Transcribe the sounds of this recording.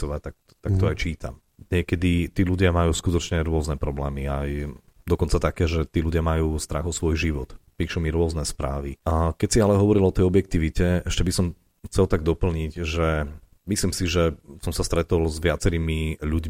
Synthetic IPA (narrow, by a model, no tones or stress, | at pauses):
ɔʋac̚t̪ak̚ | t̪ak̚t̪ɔajt͡ʃiːt̪ʰa̰m | ɲɛkɛd̪it̪iːluɟɪamajuːskut̪ɔt͡ʃɲɛɾʊɔznɛpɾɔblɛːmiaj | d̪ɔkɔnt͡sat̪akɛːʒɛt̪iːluɟɪamajuːst̪ɾaɣɔsʋɔjʒiʋɔt̪piːʃumiɾʊɔznɛspɾa̰ːʋikɛcsialɛɦɔʋɔɾilɔt̪ɛjɔbjɛk̚t̪iʋicɛɛʃcɛbisɔm | xt͡sɛlt̪aɡ̚d̪ɔpl̩ɲiɟʒɛ | misliːmsiʒɛsɔmsast̪ɾɛt̪ɔlzʋɪat͡sɛɾiːmiʎuɟ